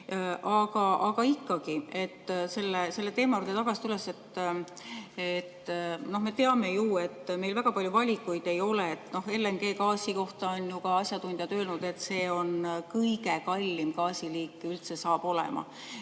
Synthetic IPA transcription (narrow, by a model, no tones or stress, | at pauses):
ʔɑɡ̥ɑʔɑɡɑikːɑɡie̞t̪ːse̞lːese̞lːe̞t̪e̞ːmɑut̪et̪ɑɡ̥ɑsi̥t̪ylːese̞t̪ː | et̪ːno̞hme̞t̪e̞ɑme̞juːe̞t̪ːme̞jlvæɡ̥ɑpɑlʲjuvɑlʲikːˑujd̪̥e̞jo̞leet̪ːˑno̞he̞lːeŋɡ̥e̞ːkɑːsʲiko̞ht̪ɑonjukɑɑsʲjɑt̪und̪̥ʲjɑt̪ø̞ːlnud̪̥e̞t̪ːse̞ːo̞nkɤjɡe̞kɑlʲːimɡɑːsiliːkːˑylt̪se̞sɑːb̥o̞lɛ̰mɑ̰